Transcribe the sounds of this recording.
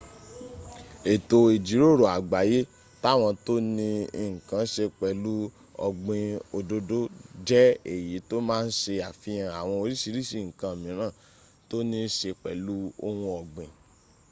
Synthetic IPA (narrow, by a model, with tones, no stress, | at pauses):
e˨to˧e˨d͡ʒi˨˦ɾo˦˨ɾo˨a˨ɡ͡ba˨˦je˦ | ta˦˨w̃ɔ̃˧to˦nĩ˧i˨ŋ̩˨kã˨˦ʃe˧k͡pɛ˨lu˦ | ɔ̰˨ɡ͡bĩ˧o˧do˧do˦d͡ʒɛ˦ḛ˨ji˨˦to˦mãː˦n̩˦ʃe˧a˨fĩ˨˦ã˧a˨w̃ɔ̃˧o˧ɾi˦si˧ɾi˦si˦˨ŋ̩˨kã˧˨mĩ˨˦ɾ̃ãː˦˨ | to˦nĩ˧˦ʃe˧k͡pɛ˨lu˦o˧wũ˧ɔ˨ɡ͡bĩ˨